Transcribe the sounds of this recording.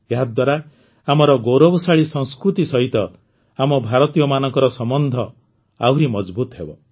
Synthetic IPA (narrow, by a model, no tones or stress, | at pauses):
eɦad̪waɾa | amɔɾɔɡowɾobɔsaɭisɔŋskɾut̪isɔɦit̪ɔ | amɔbʱaɾɔt̪ijɔmanɔŋkɔɾɔsɔmɔnd̪ʱɔ | awɾimɔd͡ʒbut̪ɔɦebɔ